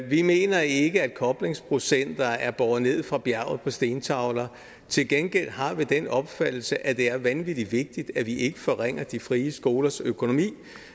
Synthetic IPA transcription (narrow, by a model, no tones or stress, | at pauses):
ʋime̝̰ːnɐe̝ɡ̥əæd̥̚kʰɒ̽b̥le̝ŋspʰʁo̝sen̰d̥ɐæɐb̥ɒð̩ˠne̝ð̞̰ˠfʁɑ̈b̥jæɐ̰ʊð̩ˠpʰɒ̽sd̥e̝ːnt͡sʰɑ̈ʊlɐ | t͡sʰe̝lɡ̥enɡ̥el̰ɦɑ̈ʋid̥enɒ̽b̥fæd̥l̩səʔæd̥e̝æɐʋænʋid̥i̥ʋe̝ɡ̥̚d̥id̥æʋiʔe̝ɡ̥əfɒʁeŋ̰ɐd̥ifʁiːəsɡ̥o̝ːlɐsøkʰo̝no̝mḭː